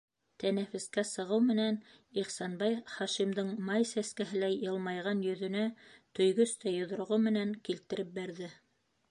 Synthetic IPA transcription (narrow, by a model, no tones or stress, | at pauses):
t̪ʰænæfɘ̆skæsɤ̆ʁɤwmɘ̆næn | iχsɑnbɑjχɑʃimd̪ɤɴmɑjsæskæɦɘlæjɤ̆lˠmɑjʁɑnjɵ̆ðɵ̆næt̪ɵ̆jɡɵst̪æjŏð̆ɾŏʁomɘ̆næŋkilt̪ɘ̆ɾɘp̚bæɾðɘ